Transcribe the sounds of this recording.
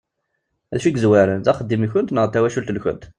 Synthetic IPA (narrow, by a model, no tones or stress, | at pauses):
æðʃiɡzwaɾənt̪æχəd̪ːimiçʊnt̪nəʁət̪ːæwæʃult̪lçʊ̰nt̪